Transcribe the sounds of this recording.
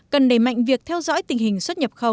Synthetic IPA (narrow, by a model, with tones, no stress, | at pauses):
kə˨˩nɗe˧˩ma̰˧˨jŋ̟vi˨˩ək̚t̪ʰɛ˧wzɔ̰ː˧˥jt̪ï˨˩ŋ̟hï˨˩ŋ̟swt̚ɲə˨˩p̚xə˧˩w